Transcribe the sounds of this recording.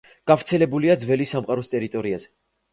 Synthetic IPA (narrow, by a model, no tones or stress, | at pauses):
ɡ̥avɾt̪sʰɛlɛbuliad̪zvɛlisamqʼaɾɔst̪ʼɛɾit̪ʼɔɾiazɛ